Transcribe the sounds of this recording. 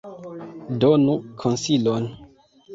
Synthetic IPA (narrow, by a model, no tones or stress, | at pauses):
donukʰonsilon